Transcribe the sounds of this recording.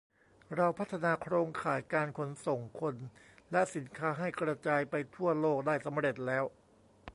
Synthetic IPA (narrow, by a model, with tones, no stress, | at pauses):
ɾa˧wpʰa˦˥t̪ʰːa˧naː˧kʰɾoː˧ŋkʰaː˩˦jkaː˧nkʰo˧nso˨˩ŋkʰo˧nlɛ˦˥si˩˦nkʰaː˦˥ɦa˥˩jkɾa˧t͡ɕaː˧jpa˧jt̪ʰu˥˩ɐloː˥˩k̚daː˥˩jsa˩˦mɾe˨˩t̪̚lɛː˦˥w